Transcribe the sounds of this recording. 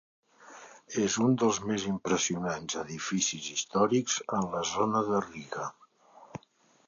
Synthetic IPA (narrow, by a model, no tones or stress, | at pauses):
ezund̪əlˠzmezimpɾəsiunanzəðifisizist̪ɔɾikz̥ənləzonəðəriɣə